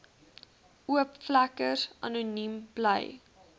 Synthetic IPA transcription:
uəpflækəsʔɐ̰nunimblə̰j

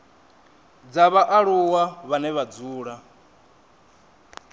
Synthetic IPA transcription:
d͡zaβaʔaɺuwaβanɛβad͡zuːɺa

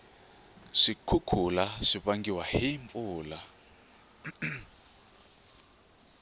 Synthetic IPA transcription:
ʂikʰukʰulaʂiβaŋɡiwahiɱfuːla

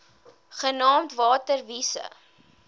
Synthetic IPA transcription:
χənɑːmtvɑːtərvisə̰

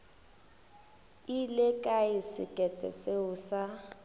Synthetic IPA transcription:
ilekʼaisɪ̰kʼɛtʼɛ̰seuːsa

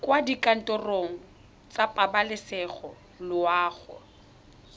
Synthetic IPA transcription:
kʼwadikʼan̩tʼɔroŋ̩ | t͡sʼapʼabalɪsɛχɔ | lʊwaːɣɔ̰

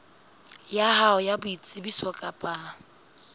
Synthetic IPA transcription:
jaɦaɔjabʊit͡sʼɪbiswɔkʼapʼa

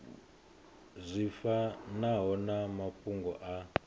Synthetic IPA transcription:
zʷifanaɦɔnamapuŋɡɔʔa

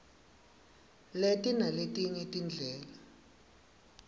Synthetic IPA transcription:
letinaletinitind͡ɮʱɛːla

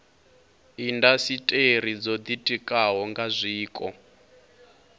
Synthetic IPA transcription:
indasitʼeɾ̤id͡zɔd̪itʼikʼaɦɔŋɡazʷiːkʼɔ̰

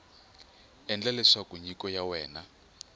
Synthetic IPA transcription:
ɛnd͡ɮalɛʂakuɲikɔjawɛːna

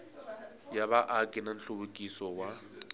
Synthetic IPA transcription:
jaβaʔakʼɪnan̩ɬubukʼisɔwa

